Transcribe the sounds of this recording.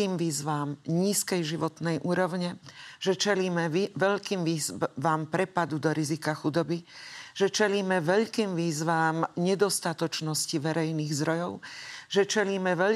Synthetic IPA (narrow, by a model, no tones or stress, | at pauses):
iːmʋiːzʋaːmɲiːskɛjʒiʋɔt̪nɛjʔuːɾɔʊɲɛʒ̥ɛt͡ʃɛliːmɛʋɛʎkiːmʋiːzʋaːmpɾɛpad̪ud̪ɔɾizikaxud̪ɔbiʒ̥ɛt͡ʃɛliːmɛʋɛʎkiːmʋiːzʋaːmɲɛd̪ɔst̪at̪ɔt͡ʃnɔsciʋɛɾɛjniːɣzd̪ɾɔjɔʊʒ̥ɛt͡ʃɛliːmɛʋɛ